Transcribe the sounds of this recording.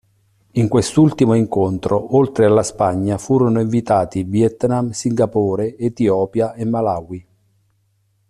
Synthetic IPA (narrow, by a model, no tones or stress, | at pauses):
iŋkwest̪ult̪imoiŋkont̪ɾoʔolt̪ɾealːaspaɲːafuːɾonoiɱvit̪aːt̪ivjɛt̪namsiŋɡapoːɾeet̪iɔːpjaemːalaːwi